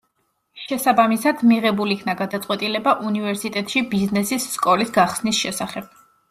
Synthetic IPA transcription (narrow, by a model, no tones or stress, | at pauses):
ʃɛsabamisad̪̥miʁɛbulikʰnaɡad̪at̪sʼqʼwɛt̪ʼilɛbaʔunivɛɾsit̪ʼɛt̪ʼʃibiznɛsisːkʼɔlisɡaχsnisʃɛsaχɛb̥̚